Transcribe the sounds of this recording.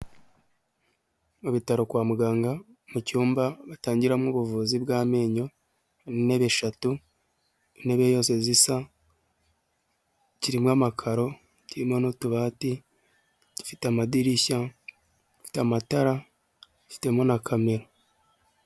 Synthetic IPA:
uβitaɾo̞kwaːmuɡaːŋɡa | mucuːmbaβataːɲɟiɾamŋuːβuvuːzibɡaːme̞ːɲo̞ | nine̞βe̞ʃatu | ine̞βejo̞ːse̞zisa | ciɾimwamakʰaɾo̞ | ciɾimŋonotuβaːti | ɟi̥fitamadiɾiça | ifi̥tamataɾa | ɟi̥fi̥te̞monakʰame̞ɾo

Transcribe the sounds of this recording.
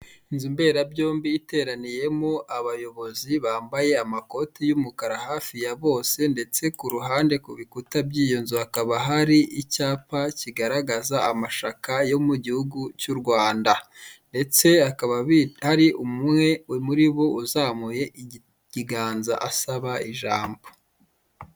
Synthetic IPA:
nzimbe̞ːɾabjo̞ːmbiːte̞ɾanije̞moʔaβajo̞βo̞ziβaːmbaje̞amako̞tijumukaɾahaːfijaβo̞ːse̞nde̞t͡se̞kuɾuɦaːnde̞kuβikutabɟiːjonzuakaβaɦaɾiʔicaːpaciɡaɾaɡazaːmaʃakajo̞muɟihuɡucuɾɡwaːndande̞t͡se̞akaβaβihaɾiʔumumŋe̞wemuɾiβo̞uzaːmuje̞ | ɟiɡaːnza̰ʔasaβaiʒaːmbo

